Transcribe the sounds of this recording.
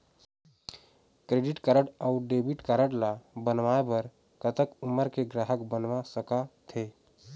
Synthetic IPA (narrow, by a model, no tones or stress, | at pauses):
kɾeɖiʈkəɾəɽaʊɖebiʈkaɾəɽlabənʋaebəɾ | kət̪əkuməɾkeɡɾaɦəkbənʋasəkat̪ʰe